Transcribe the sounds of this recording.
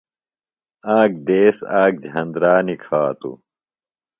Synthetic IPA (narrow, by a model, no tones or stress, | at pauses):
aːk̚d̪eːsaːk̚d͡ʑʱɐ̃nd̪ɾaːnikʰaːt̪ṵ